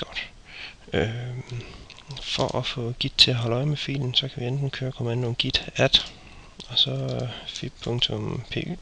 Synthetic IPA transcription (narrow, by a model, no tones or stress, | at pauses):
ɡ̥ɒd̥ | ø | fɒʔɒfɔ̰ːɡ̥id̥̚t͡sʰe̝æɦɒlɒ̽ɪmefḭːln̩sɒ̽kʰæʋiend̥n̩kʰøːɐkʰomænd̥oɡ̥id̥æd̥ | ɒ̽sɒ̽fib̥pʰɔŋt͡sʰɔmpʰe̝̰ːʔṵː